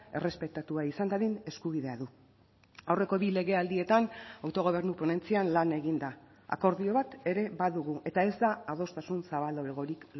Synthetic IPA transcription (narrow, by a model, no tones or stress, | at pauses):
e̞̰re̞spe̞t̪at̪uaisand̪aðine̞skuβiðe̞aðu | awre̞ko̞βile̞ɣ̞e̞ald̪ie̞t̪anawt̪o̞ɣ̞o̞β̞e̞ɾnupo̞ne̞nt͡sianlane̞ɣind̪a | a̰ko̞ɾðio̞βat̪e̞ɾe̞βaðuɣ̞uʔe̞t̪ae̞zd̪aːð̞o̞st̪asunsaβald̪o̞eɣo̞ɾik